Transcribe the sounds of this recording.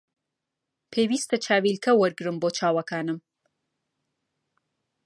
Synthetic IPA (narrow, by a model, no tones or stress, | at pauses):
pʰeːwiːst̪ʰɐt͡ʃʰaːwilkʰɐwɐɾɡɨɾɨmboːt͡ʃʰaːwɐkʰaːnɨm